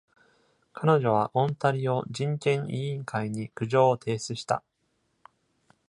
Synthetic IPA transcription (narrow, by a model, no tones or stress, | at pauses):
kʰano̞ʑo̞β̞aʔõ̞nt̪aɾʲio̞d͡ʑĩŋkẽ̞ɰĩːŋkʰaiɲ̟ikɯ̟ʑo̞ːt̪ʰe̞ːsɨɕi̥t̪a̰